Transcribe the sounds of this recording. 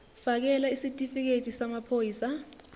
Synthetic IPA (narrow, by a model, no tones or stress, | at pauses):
fak̬ɛlaisitʼifik̬etʼisamapʰojiːsa